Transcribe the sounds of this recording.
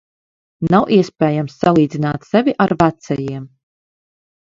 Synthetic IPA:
nawʔiɛspʲɛːjamsːalˠiːd̪zinaːt̪sɛvʲiʔaɾvæt̪sɛjiɛm

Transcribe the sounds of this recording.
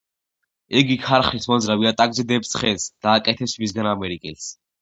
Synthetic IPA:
ɛɡikʰaɾχismɔnzɾaviat̪ʼaɡzɛd̪ɛpssχɛnsd̪̥aːkʼɛt̪ʰɛpsmisɡanamɛɾikʼɛls

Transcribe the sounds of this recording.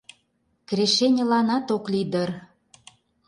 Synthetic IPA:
kreʃenʲə̆lɑnɑt̪oklid̪ər

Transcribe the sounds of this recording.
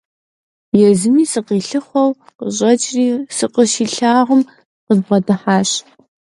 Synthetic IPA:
jɛzɨmiːsɨqiːɬɨχʷɐw | qəɕʼɐt͡ʃʼriːsɨqəʃiːɬaːʁəm | qəzbʁɐdɨħaːɕ

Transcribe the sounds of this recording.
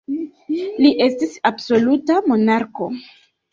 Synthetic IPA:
liʔe̞stisabso̞lutamo̞naɾko̞

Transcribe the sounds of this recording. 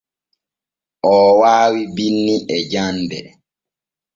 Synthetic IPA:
ʔɔːwaːwibinːiɛd͡ʒandɛ

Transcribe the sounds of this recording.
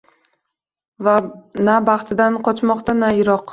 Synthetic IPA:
vanabɑχt̪ʰɪd̪anqʰɒt͡ʃmɒqt̪anajɪɾɒq

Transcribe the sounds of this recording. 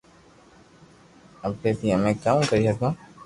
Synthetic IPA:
əb̚ʈeːt̪iːəmẽːkaːmkəɾiːsəkõː

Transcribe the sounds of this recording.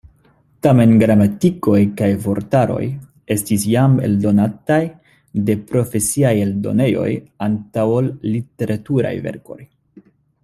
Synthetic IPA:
tame̞nɡɾamatiko̞jkajvo̞ɾtaɾo̞̰j | e̞stis̬jame̞̰ldo̞nataj | de̞pɾo̞fe̞siaje̞ldo̞̰ne̞jo̞̰jantawollite̞ɾʔatuɾa̰jve̞̰ɾko̞j

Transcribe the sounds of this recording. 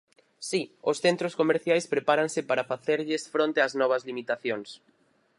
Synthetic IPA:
siosθent̪ɾoskomeɾθjajspɾepaɾaŋsɪpaɾɐfaθeɾʎesfɾõnt̪eaznɔβ̞ɐzlimit̪aθjoŋs

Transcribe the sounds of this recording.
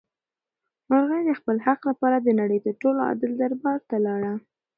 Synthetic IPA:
maɾɣəjd̪əxpəlhaqlapɑɾad̪ənaɽəjd̪əʈoloɑ̰d̪ɪld̪aɾbɑɾt̪alɑɽa

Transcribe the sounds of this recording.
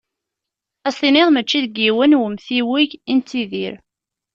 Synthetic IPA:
æsθineðˤmət͡ʃːiðɡiwənwəmθiwiʝint̪ːiðiɾ

